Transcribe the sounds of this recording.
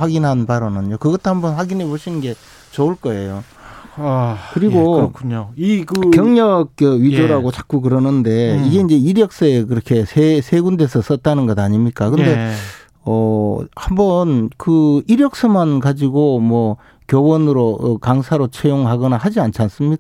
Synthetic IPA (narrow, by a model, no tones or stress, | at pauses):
waɡinɦanbaɾʌnɯnjokɯɡʌtʰohambʌnɸwaɡinɦe̞boɕʰinɯnɡe̞ | t͡ɕouɭk͈ʌe̞jo | kɯɾiɡokʰuɲoikɯkjʌŋɲʌk͈ːʌɥid͡ʑoɾaɡot͡ɕak͈uk̬ɯɾʌnɯnde̞iɡe̞ind͡ʑe̞iɾjʌk̚s͈ʌekɯɾʌkʰe̞sʰesʰe̞ɡunde̞sʰʌs͈ʌt̚t͈anɯnɡʌdaɲimɲik͈akɯnde̞ | ʌhambʌnkɯiɾjʌk̚s͈ɯmankad͡ʑiɡomwʌ | kjowʌnɯɾokaŋsʰaɾot͡ɕʰwejoŋɦaɡʌnahad͡ʑiant͡ɕʰans͈ɯmɲika